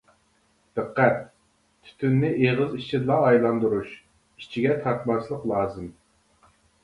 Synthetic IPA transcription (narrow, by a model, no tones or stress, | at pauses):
d̪̥ɛqːæt̪̚ | t̪ʰy̥t̪ʰynːɪʔeʁəzit͡ʃʰid̪lˠɑːjlˠɑnd̪uɾuʃ | it͡ʃʰiɡʲɛt̪ʰɑɾt̪mɑslˠəqlˠɑːzɨm